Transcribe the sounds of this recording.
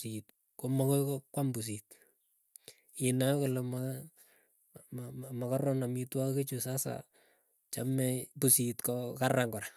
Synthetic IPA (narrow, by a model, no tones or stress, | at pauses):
it̚ | komakɔkokwambus̬it̚ | ɪnakɔlɛma | mmakarɔnamitwaket͡ʃusasa̰ | t͡ʃamɛpusitkɔkaraŋɡɔɾa